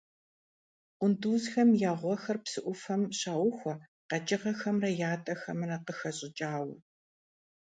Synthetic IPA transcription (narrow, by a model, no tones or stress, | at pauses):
qʷʊnduːzxɐmjaːʁʷɔxɐrpsɨʔʷʊfɐmɕaːwʊxʷɔ | qɐt͡ʃʼɪʁɐxɐmrɐjaːtʼɐxɐmɨrɐqəxɐɕʼɪd͡ʒʼaːwɐ̰